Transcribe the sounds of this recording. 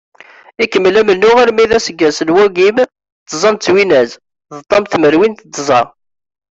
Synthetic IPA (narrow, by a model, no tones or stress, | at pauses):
ikːəmːlæmənːʊʁaɾmiðæsəɡːæsəlwæɡim | t̪ːzˤɑnt͡sːwinæz | ðət̪ˤːɑmθməɾwint̪d̪zˤɑ